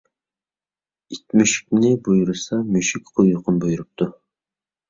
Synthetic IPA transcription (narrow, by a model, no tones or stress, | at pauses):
it̪myʃi̥k̚ʲnɪbujuɾusɑmøʃikʲqʰojʊqʰʊnbojuɾup̚t̪ʰu